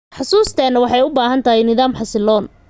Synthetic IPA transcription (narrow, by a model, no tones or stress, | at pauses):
ħɑsuːst̪ʰɛnɐwɑħɑjʊbaːɦɐnt̪ʰɐɦɛjnɪðaːmħɑsɪlɔːn